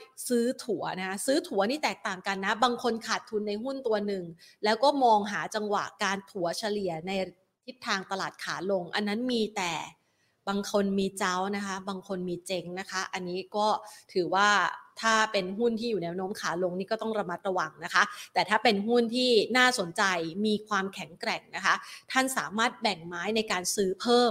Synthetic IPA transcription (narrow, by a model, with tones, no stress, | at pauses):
sɯː˨˦˥t̪ʰu˩˦ɐna˦˥ka˦˥sɯː˦˥t̪ʰu˨˩˦niː˥˩t̪ɛː˨˩k̚t̪aː˨˩ŋka˧nːa˦˥baː˧ŋkʰo˧nkʰaː˨˩t̪ʰːu˧nːa˧jɦu˥˩nt̪u˧ɐnɯ˨˩ŋlɛː˦˥wkɔː˥˩mɔː˧ŋɦaː˩˦t͡ɕa˧ŋwa̰˨˩ʔkaː˧nt̪ʰu˩˦ɐt͡ɕʰa˧li˨˩ɐəna˧j | t̪ʰi˦˥t̪ʰːaː˧ŋt̪a˧laː˨˩t̪̚kʰaː˩˦lo˧ŋʔa˧nːa˦˥nmiː˧t̪ɛː˨˩ | baː˧ŋkʰo˧nmiː˧t͡ɕa˦˥wna˦˥kʰa˦˥baː˧ŋkʰo˧nmiː˧t͡ɕe˦˥ŋna˦˥kʰa˦˥ʔa˧nːiː˦˥kɔː˥˩t̪ʰɯː˩˦waː˥˩t̪ʰaː˥˩pe˧nɦu˥˩nt̪ʰiː˥˩juː˨˩nɛː˦˥wnoː˦˥mkʰaː˩˦lo˧ŋniː˦˥˩kɔː˥˩t̪ɔ˥˩ɾa˧ma˦˥t̪̚ɾa˧wa˧ŋna˦˥kʰa˦˥ʔt̪ɛː˨˩t̪ʰaː˥˩pe˧nɦu˥˩nt̪ʰiː˥˩naː˥˩so˩˦nt͡ɕa˧jmiː˧kʰwaː˧mkʰɛ˩˦ŋkɾɛ˨˩ŋna˦˥kʰa˦˥t̪ʰa˥˩nsaː˩˦maː˥˩t̪̚bɛ˨˩ŋmaː˦˥jna˧jkaː˧nsɯː˦˥pʰɤː˥˩m